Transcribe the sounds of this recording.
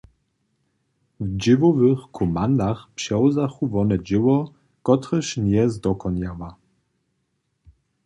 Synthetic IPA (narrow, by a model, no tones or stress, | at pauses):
vd͡ʑɪvɔvɘxkʰɔmand̪axpɕɛwzaxuvɔnɛd͡ʑɪwɔ | kɔt̪ɾɛɕnʲjɛzd̪ɔkɔnjawa